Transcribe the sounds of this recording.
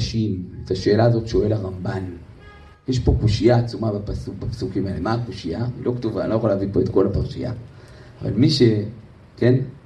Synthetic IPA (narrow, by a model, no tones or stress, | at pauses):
ʃimetaʃe̞ːlaːzo̞tʃo̞e̞laʁamban | jeʃpo̞kuʃijaːt͡sumabapasukbapḁsukimalemaːkoʃijaḭlo̞katuva̰lojxolavipo̞et̪ko̞lapaʁʃḭja̰ː | va̰lmiʃe̞ | ke̞n